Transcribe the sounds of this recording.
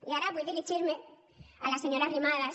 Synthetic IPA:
jaɾabevilit͡ʃiɾmɛ | alasɛɲɔɾaɾimala

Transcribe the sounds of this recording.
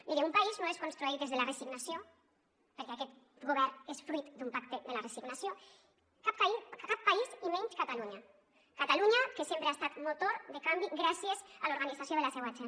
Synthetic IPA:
d̪iɾeumpaiznoeskonst̪ɾuit̪d̪ezðelaresiɡnasjo | peɾkeakɛt̪ | ɡoβ̞ɛɾesfɾuit̪d̪umpak̚t̪eðelaresiɡnasjo | kapikapːaisimeɲt͡ʃkat̪aluɲa | kat̪aluɲakesjempɾeaest̪at̪mot̪oɾd̪ekambiɡɾasjezaloɾɣ̞anid͡zasjoð̞elasewat͡ʃa

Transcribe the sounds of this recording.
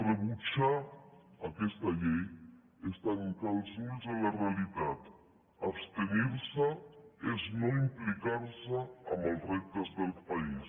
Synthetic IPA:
rəβut͡ʃaː | kɛst̪əʎɛj | est̪aŋkalˠzulzələreəlit̪at̪ | əpst̪əniɾsəeznoimplikaɾsəːmbəlˠrɛk̚t̪əzðəlˠpais

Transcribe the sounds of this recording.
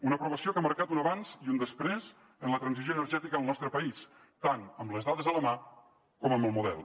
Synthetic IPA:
unəpɾuβəsiokaməɾkat̪unəβanz̥iund̪əspɾez | ənlət̪ɾənzizjoənərʒɛt̪ikəːlˠnɔst̪ɾəpəis | t̪anəmləzðaðəzðələma | kɔməmbəlˠmuðɛ̰lˠ

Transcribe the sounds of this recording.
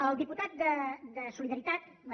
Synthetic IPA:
əlˠd̪iput̪at̪̚d̪əd̪əsuliðəɾit̪at̪̚ | mə

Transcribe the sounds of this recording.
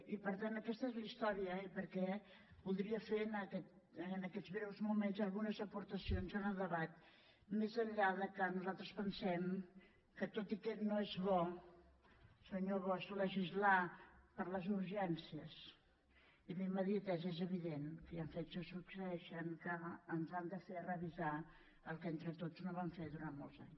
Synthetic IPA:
ipəɾt̪anəkɛst̪əezlist̪ɔɾiəipəɾkɛ | βulˠd̪ɾiəfenəkɛt̪̚ː | nəkɛzβɾɛwzmumenzəlˠɣunəzəpuɾt̪əsionzənəðəβat̪̚ | mezəʎʎaðəkənuzalˠt̪ɾəspənsɛm | kət̪ot̪ikɛnoezβɔ | səɲoβɔsuləʒizlapəɾləzuɾʒɛnsiəs | iβiməðiət̪ɛzezəβiðenkəjaɱfet̪səsuksəɛʃənkəːnzand̪əferəβiza | əlˠkent̪ɾət̪od͡znoβamfeðuɾanmolˠza̰ɲs

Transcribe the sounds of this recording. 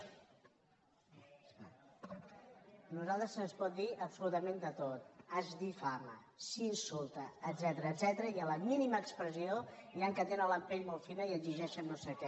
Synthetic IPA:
nuzalˠt̪ɾəzənspɔt̪̚d̪iʔəpsulut̪əmend̪ət̪ot̪azd̪ifamə̰ | sinsulˠt̪əːd̪zɛt̪əɾəːd̪zɛt̪əɾəiələminiməːkspɾəzioiaŋkət̪enənləmpeʎmolfinəiəziʒɛʃənːosekɛ

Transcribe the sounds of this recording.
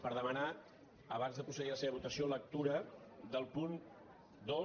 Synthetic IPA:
pəɾðəməna | əβ̞anzðəpɾusəðiləseβəβut̪əsiolək̚t̪uɾə | ðəlˠpun | d̪o

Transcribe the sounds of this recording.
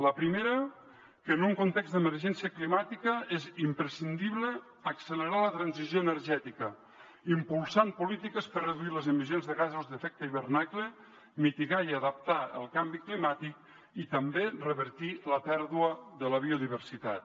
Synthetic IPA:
ləpɾimeɾə | kənuŋkont̪ekzd̪əməɾʒɛnsiəklimat̪ikəezimpɾəsind̪iβləː | ksələɾalət̪ɾanzizjoənəɾʒɛt̪ikə | impulˠsampulit̪ikəspərrəðuiləzəmizjonzðəɣazuzðəfɛk̚t̪əiβəɾnaklə | mit̪iɣaiəðəp̚t̪aə̰lˠkambiklimat̪ik̚ | it̪əmberəβəɾt̪iləpɛɾðuəðələβ̞ioðiβ̞əɾsit̪a̰t̪

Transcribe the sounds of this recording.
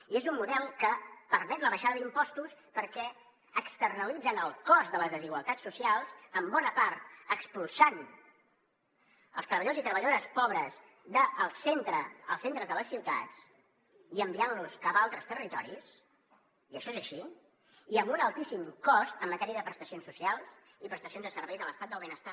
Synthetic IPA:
iezumːuðɛlˠkəpəɾmɛt̪ləβəʃaðəðimpɔst̪uspəɾkɛ | əkst̪ərnəlid͡zənəlˠkɔst̪d̪ələzðəziɣwəlˠt̪asːusialˠzəmbɔnəpaɾt̪̚əkspulˠsan | əlˠst̪ɾəβəʎəozit̪ɾəβəʎəðoɾəspɔβɾəz | d̪əːlˠsent̪ɾə̰ːlˠsent̪ɾəzðələsːiwt̪a̰t͡s | iəmbianluskapalˠt̪ɾəst̪ərit̪ɔɾis | iəʃɔezəʃi | iəmbunəlˠt̪isimkɔst̪əmːət̪ɛɾiəðəpɾəst̪əsionsːusialˠz̥ | ipɾəst̪əsionzðəsəɾβɛjzðələst̪at̪̚d̪əlˠβenəst̪a

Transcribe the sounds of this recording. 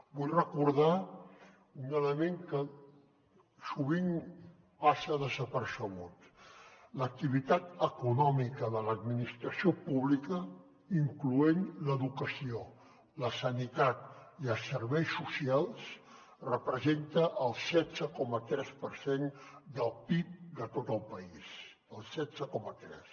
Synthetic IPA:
bujrəkuɾða | unələmeŋkə | suβ̞iŋ | pasəðəzəpəɾsəɣut̪ | lək̚t̪iβit̪at̪əkunɔmikəðələd̪minist̪ɾəsiopuβlikə | iŋkluenləðukəsio | ləsənit̪at̪iəlˠsəɾβɛjsusialˠs | rəpɾəzent̪əʔəlˠsɛzəkɔmət̪ɾɛspəɾsend̪əlˠpip̚d̪ət̪ot̪əlˠpəis | əlˠsɛdzəkɔmət̪ɾɛ̰s

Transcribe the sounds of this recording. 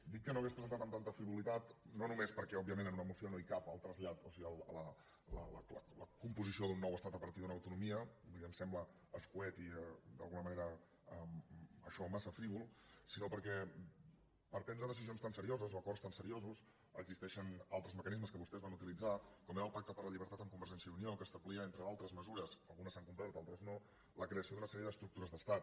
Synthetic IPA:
d̪ikːənoɣespɾəzənt̪at̪əmt̪ant̪əfɾiβulit̪at̪nonumespəɾkɛɔbiəmẽnənunəmusionoikapəlˠt̪ɾəzʎat̪osiɣəlˠlə | lə̰lə̰lələkumpuzisioðunːɔwəst̪at̪əpəɾt̪iðunəwt̪unumiəβiiəmsɛmblə | əskuɛt̪id̪ə̰lˠɣunəməneɾə | əmə̰ʃɔmasəfɾiβulˠsinopəɾkɛ | pəɾpɛnd̪ɾəðəs̬izionst̪ansəɾiozəzoəkɔrst̪ansəɾiozus | ə̰ɡzist̪ɛʃənalˠt̪ɾəzməkənizməskəβust̪ɛzβanut̪ilid͡zakɔmeɾəlˠpak̚t̪əpəɾləʎiβəɾt̪at̪əŋkumbəɾʒɛnsjəuniɔlkəst̪əβliəent̪ɾəalˠt̪ɾəzməzuɾəsəlˠɣunəsaŋkumpɾat̪alˠt̪ɾəzno | ləkɾeəsioðunəsɛɾiəðəst̪ɾuk̚t̪uɾəzðəst̪at̪

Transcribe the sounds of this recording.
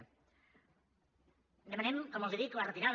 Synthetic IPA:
d̪emɐnemkomolˠd̪iðik̪lɐrət̪iɾað

